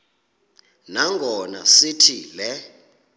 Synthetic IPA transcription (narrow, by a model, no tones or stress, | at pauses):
naŋɡʱɔna̰sitʰilɛ